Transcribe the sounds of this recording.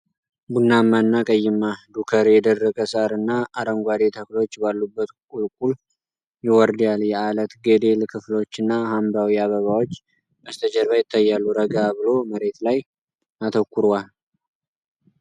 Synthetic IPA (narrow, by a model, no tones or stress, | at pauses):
bunːamːanːakʼəjːɪmːad̪ukʰəɾjɛd̪ərːəkʼəsaɾɨnːaaɾəŋɡʷad̪e̞t̪ʰəklo̞t͡ʃːbalːubːət̪kʼulkʼul | jɪwɔɾd̪jaljɛʔalət̪ɡe̞d̪e̞lkʰɨflo̞t͡ʃːɨnːahambawiaβəβawot͡ʃː | əst̪ʰəd͡ʒəɾβajɪt̪ʰːajːalːuɾəɡabɨlo̞məɾe̞t̪laj | at̪ʰəkʰːuɾwal